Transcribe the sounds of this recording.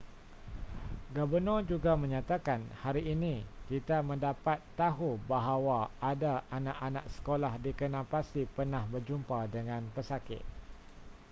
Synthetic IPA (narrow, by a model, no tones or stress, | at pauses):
ɡabərnɔd͡ʒuɡamə̃ɲãt̪akanhaɾiʔːnĩkit̪amə̃ndapat̪ːaɦubaɦawaadaanãʔanãk̚sə̥kolahdikənãpasipərnãhbərd͡ʒumpadəŋãnpəsakɪ̰t̪̚